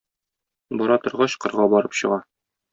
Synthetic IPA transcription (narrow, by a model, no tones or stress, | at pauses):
bɒɾɑt̪ŏɾʁɑɕqɤ̆ɾʁɑbɒɾɤpɕɤ̆ʁɑ